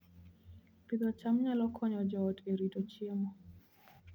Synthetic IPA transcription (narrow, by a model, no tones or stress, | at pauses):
pid̪ɔt͡ʃamɲalɔkʰɔɲɔd͡ʒɔteɾitɔt͡ʃemɔ